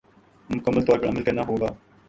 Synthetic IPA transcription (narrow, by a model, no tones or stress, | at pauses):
mʊkəmːəlt̪ɔːɾpəɽɐməlkɐɾnaɦoːɡaː